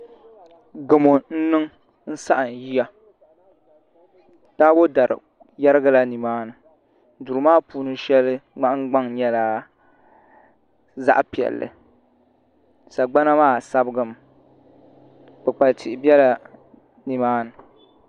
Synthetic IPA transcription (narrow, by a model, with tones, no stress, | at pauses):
ɡɨ˨mo˨n̩˦nɨ˦ŋ | n̩˦sa˦ʔɨ˨n˨ji˦ja˦ | taː˦wo˦da˨ɾɨ̰˨ | ja˦ɾɨ˦ɡa˦la˦ni˨maː˦nɨ˨ | du˨ɾɨ˨˦maː˦˨puː˦nɨ˦ʃɛ˦lːɨ˦ŋ͡ma˦ʔɡ͡ba˦ŋɲɛ˦la˦ | za̰˦ʔpi˨ɛ̰˨lːɨ̰˨ | sa˨ɡ͡ba˦na˦maː˦˨sa˦bɨ˦ɡɨ˨m˨ | bɨ˨k͡pa˨ltɪ˨ʔɪ˨bjɛ˦la˨ | ni˨maː˦nɨ˨